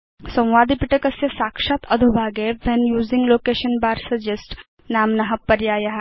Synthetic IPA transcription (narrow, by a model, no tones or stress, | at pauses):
sɐ̃w̃ʋaːd̪ipiʈɐkɐsjɐsaːkʃaːt̪ʰɐd̪ʱubʱaːɡeːʋɛnjuːzĩŋɡloːkeːʃɐnbaːɾsɐd͡ʒesʈ | naːmnɐɦɐpɐɾjaːjɐɦɐ